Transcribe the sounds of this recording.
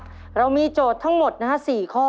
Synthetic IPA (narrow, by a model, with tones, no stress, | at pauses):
ɾa˧wmiː˧t͡ɕoː˨˩t̪ʰːa˦˥ŋmo˨˩t̪̚na˦˥siː˨˩kʰɔː˥˩